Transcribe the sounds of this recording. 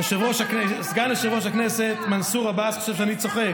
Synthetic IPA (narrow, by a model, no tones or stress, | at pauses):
eʃevoʃaknɛsɡanleʃevoʃaknɛset̪mansuʁabasχḁʃɛfʃ̬anit͡soχek